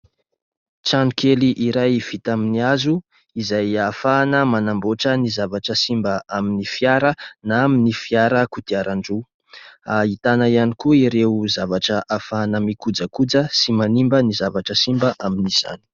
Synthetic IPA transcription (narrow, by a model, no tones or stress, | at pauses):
t͡ʃaɳukʰeliʔiɾajv̥it̪aminiazu | izajafanəmanamboʈ͡ʂənizavaʈ͡ʂəsimbəʔaminifjaɾənaaminifiaɾəkut̪iaɾaɳɖ͡ʐu | ait̪anaianikuiɾeuzavaʈ͡ʂəʔafanəmikud͡zəkud͡zəsimanimbənizavaʈ͡ʂəsimbəʔaminiz̥a̰ni̥